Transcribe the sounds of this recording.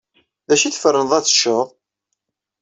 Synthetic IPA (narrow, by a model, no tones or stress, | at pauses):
ðæʃiθfɾənðˤæθʃəðˤ